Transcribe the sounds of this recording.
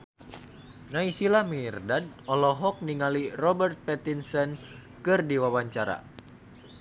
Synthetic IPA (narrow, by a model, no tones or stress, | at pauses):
naisilamirdad̚ɔlɔɦɔk̚niŋalirɔbərt̪̚pɛt̪insɔn | kɨrdiwawaɲt͡ʃaɾa̰